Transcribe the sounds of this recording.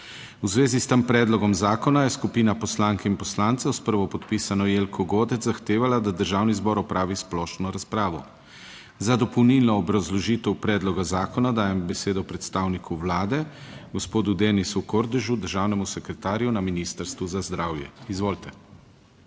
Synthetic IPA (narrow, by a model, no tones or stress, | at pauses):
uzʋeːzist̪əmpɾɛːd̪lɔɡɔmzaːkɔnajɛskupiːnapɔslaːŋkɛinpɔslaːnt̪sawspəɾʋɔpɔt̪pisanɔjeːlkʰɔɡoːd̪ɛt̪zzaxt̪eːʋalad̪ad̪əɾʒaːwnizbɔːɾɔpɾʔaːʋisplɔːʃnɔɾaspɾaːʋɔ | zad̪ɔpɔwnilnɔːbɾazlɔʒiːt̪ɛwpɾɛːd̪lɔɡazaːkɔnad̪aːjɛmbɛseːd̪ɔpɾɛt̪st̪aːwnikʰuwlaːd̪ɛɡɔspoːd̪ud̪enisukoɾd̪ɛʒud̪əɾʒaːwnɛmusɛkɾɛt̪aːɾjunaminist̪əɾst̪ʋuzazd̪ɾaːwjɛ̰izʋoːlt̪ɛ